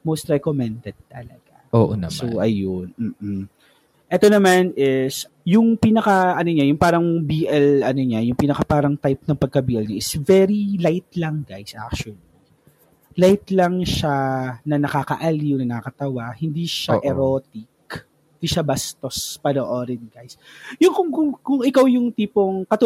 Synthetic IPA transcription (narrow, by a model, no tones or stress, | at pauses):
mowst̪ɾɛkomɛnd̪ɛd̪̚t̪ɐlɐ̰ɡ̥aʔo̰ːʔonɐ̰soʔɐjonm̩ːʔ̩ | ʔɛt̪onɐmanɪs | jʊŋpiːnɐkɐʔɐnoɲajʊŋpaːɾɐŋbiːʔɛlʔɐnoɲajʊŋpinɐkapaːɾɐŋt̪ajp̚nɐŋpɐɡ̚kɐbiːʔɛlɲaʔɪsvɛɾilajt̪̚lɐŋɡajsʔa̰k̚t͡ʃɐli | lajt̪lɐŋʃanɐnɐkakɐ̰ʔɐliʊwnɐnɐkɐkɐt̪ɐwahɪnd̪iʃaʔɛɾoːt̪ɪk | hɪnd̪iʃabɐst̪ospɐnoʔoɾɪnɡajsjʊŋkʊŋkʊkʊŋɪkawjʊŋt̪iːpoŋkɐt̪ʊ